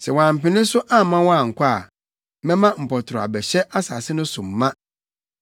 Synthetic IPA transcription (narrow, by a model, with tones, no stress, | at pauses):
sɛ˨wãː˨m̩˨pɪ˨nɪ̃˦sʊ˦ʔa˦˨mã˦wɔ̃˦a˨ŋ̩˨kʷʰa˦a̰˨ | mɛ̃˦mã˦m̩˨pɔ˨tʰʊ˨ɾʊ˨a̰˨bɛ˨ɕɛ˦ʔa˦sa˨sɪ˦nʊ̃˦sʊ˨m̩ː˨ã˦